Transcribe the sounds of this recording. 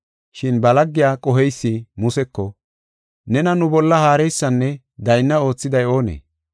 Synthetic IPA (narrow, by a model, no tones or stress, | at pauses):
ʃɪnbɐlɐɡːɪjaːkʼɔɦɛjsːɪmʊsɛkːɔ | nɛnɐnʊbɔlːɐhaːɾɛjsːɐnːɛ | d̪ɐjnːɐo̞ːt͡sːɪd̪ɐjo̞ːnḛː